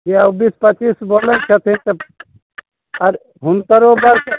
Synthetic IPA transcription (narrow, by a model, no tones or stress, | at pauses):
kiəbispət͡ʃisbolənt͡ʃʰət̪ʰint̪ə | əɾ | ɦunkəɾobəɾkə